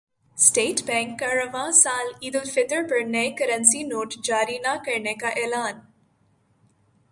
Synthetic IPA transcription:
sʈeːʈbɛ̃ːŋkːɐɾəʋãsaːliːd̪əlfɪt̪əɾpəɾneekəɾənsinoːʈd͡ʒaːɾinakɐɾnekaʔɛːlaːn

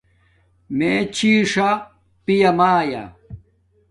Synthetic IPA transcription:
meːt͡ɕiːʂɐ | pijɐmaːja̰

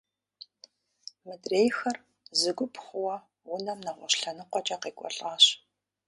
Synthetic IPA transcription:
mɨdreːjxɐr | zɨɡʷʊpʰχʷʊwɐ | wʊnɐmnɐʁʷɔɕɬɐnɨqʷɔt͡ʃʼɐqeːkʷʼɔ̰ɬʼaːɕ

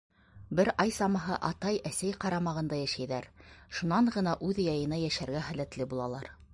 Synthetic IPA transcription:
bɘɾʔɑjsɑmɑɦɤʔɑt̪ɑjæsæjqɑɾɑmɑʁɤ̆nd̪ɑjæʃæjðæɾʃunɑɴʁɤ̆nɑʔʉðjɑjɤ̆nɑjæʃæɾɡæχælæt̪lɘbulˠɑlˠɑɾ

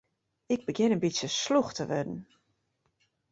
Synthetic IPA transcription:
ɪɡ̚bəɡɪnənbisjəsluxtʰəʋɛdən̩

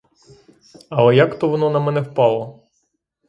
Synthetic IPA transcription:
ɐlˠɛjakt̪ɔʋɔnɔnɐmɛnɛwpɑlˠɔ

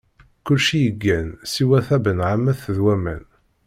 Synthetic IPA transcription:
kʊlʃijəɡːænsiwæθæbənʕamːæθðwæmæ̰n

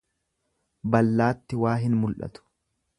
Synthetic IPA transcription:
bɐlːaːt̪ːɪwaːɦɪnmʊlʔɐ̰t̪ʊ̥

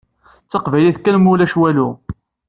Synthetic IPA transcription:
t͡sːɑqvæjliθkænmulæʃwælu

